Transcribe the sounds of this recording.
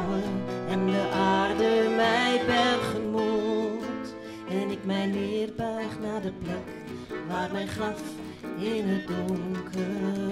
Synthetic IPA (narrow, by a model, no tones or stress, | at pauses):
wəɛnjəʔaːrdəmɛjbɛrχəmult | ɛnɪkmɛjnɪːrbœɥχnaːdəplɛk | ʋaːrmɛjχɑf | enədɔŋkə